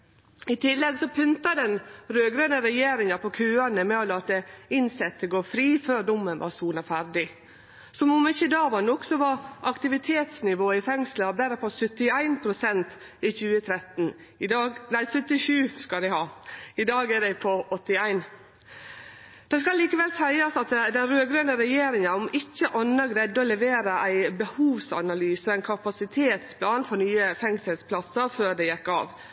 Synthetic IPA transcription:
ɪt̪ʰɪlːɛɡsɔpʰʉnt̪ɑd̪ɛnɾøːɡɾøːnəɾɛjeːɾɪŋɑpʰɔkʰʉːɑnəmɛɔlɑːt̪əɪnsɛt̪ʰːəɡoːfɾiːføːɾɖ̪ʊmːənʋɑ̰ɾsuːnɑfæɾd̪ɪ | sɔmɔmɪçəd̪ɑːʋɑnɔksɔʋɑɾʔɑkt̪ɪʋɪt̪ʰeːt̪snɪʋoːɪfɛŋsləɑbæɾəpʰɔsœt̪ːɪæɪnpʰɾʊsɛnt̪ | ɪçʉːət̪ʰɾɛt̪n | ɪd̪ɑːɡnæɪsœt̪ːɪʃʉːskɑld̪æɪhɑːɪd̪ɑːɡæɖæɪpʰɔɔt̪ːɪæɪn | d̪̥ɛskɑlliːkəʋɛlsæɪɑsɑt̪d̪ɛnɾøːɡɾøːnəɾɛjeːɾɪŋənɔmɪçːəʔɑnːəɡɾɛd̪ːɔlɛʋeːɾəʔæɪbəhuːʋsɑ̰nɑlyːsɔæɪkʰɑpɑsɪt̪ʰeːt̪spʰlɑːnfɔɾnyːəfɛŋsəlspʰlɑsəɾføːɖɛjɛkːɑ̰ːʋ

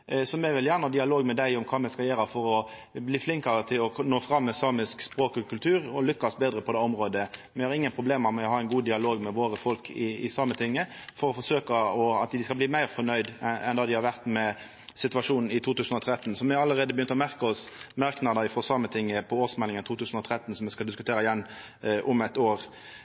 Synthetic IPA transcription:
sɔmɛʋɪljæːʁnəɑd̪ɪɑloːɡmɛd̪æɪʊmkʰɑːmɛskɑljeːɾəfɔɾɔ | bliːflɪŋkɑʁət̪ʰɪlɔnoːfɾɑmːɛsɑːmɪskspɾoːkkʰʉlt̪ʰʉːɾɔlʏkːɑsbeːd̪ɾəpʰɔd̪ɛːɔmʁoːd̪əmɛhɑɾɪŋːənpʰʁʊbleːmɑmɛɔhɑːæɪnɡuːd̪ɪɑloːɡmɛʋoːɾəfɔlkʰɪɪsɑːmət̪ʰɪŋːəfɔɾɔfɔʂøːkəɔɑt̪d̪ɪskɑlbliːmæɪʁfɔnœʏd̪ɛ̰nd̪ɑːd̪ɪhɑɾʋæʁt̪mɛ | sɪt̪ʉɑʂuːnn̩ɪt̪ʰuːt̪ʉːsn̩ɔt̪ʰɾɛt̪ːn̩sɔmɪhɑɾɑləʁeːd̪əbəjʏnt̪ɔmæʁkɔsmɑʁknɑd̪əɾɪfʁɔsɑːmət̪ʰɪŋːəpʰɔoːsmɛlːɪŋənt̪uːt̪ʉːsn̩ɔt̪ʰɾɛt̪ːənsɔmʋɛskɑld̪ɪskʉt̪ʰeːɾɑɪjɛnː | ʔʊmɛt̪oːʁ

